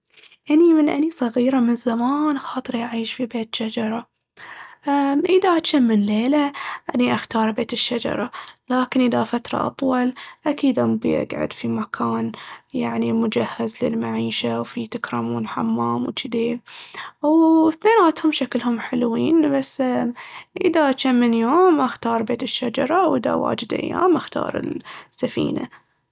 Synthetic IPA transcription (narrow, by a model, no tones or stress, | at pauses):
ʔanimɪnʔa̰nisˤɑɣiːɾamɪnzamaːnxɑːt̪ˤɨɾjaʕiːʃfibeːt̪ʃad͡ʒɑɾˤɑ | ʔaʔɪðaʔat̪ʃamːɪnleːlaʔaniʔaxt̪ɑːɾˤbeːt̪ɪʃːad͡ʒɑ̰ɾˤɑlaːkɪnʔɪðafat̪ɾˤɑ̰ʔɑ̰t̪ˤwɑlʔakiːd̪ʔambḭʔa̰ɡʕʊ̰d̪fimakʰaːnjaʕnimʊd͡ʒahːazlɪlmaʕiːʃawfit̪akɾˤɑːmuːnħa̰mːaːmwt͡ʃɪd̪eː | wθneːnaːt̪hʊmʃaklhʊmħɪlwiːnbasː | ʔɪðat͡ʃamːɪnjoːmʔaxt̪ɑːɾˤbeːt̪ɪʃːad͡ʒɑɾˤɑwʔɪða̰wa̰ːd͡ʒɪd̪ʔa̰jːa̰ːmʔaxt̪ɑ̰ːɾˤɪ̰lsːafḭːna̰